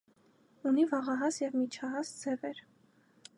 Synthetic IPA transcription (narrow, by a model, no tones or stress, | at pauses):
univɑʁɑɦɑsjɛvmit͡ʃʰɑɦɑsd͡zɛvɛɾ